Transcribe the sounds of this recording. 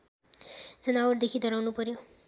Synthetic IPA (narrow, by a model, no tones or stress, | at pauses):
d͡zʌnawʌʈd̪ekʰid̪ʌɾawnupʌɾjo